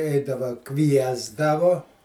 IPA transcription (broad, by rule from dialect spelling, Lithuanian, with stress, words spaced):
ˈɛɪdɐʋɐ ˈkʋʲiɛzdɐʋʊ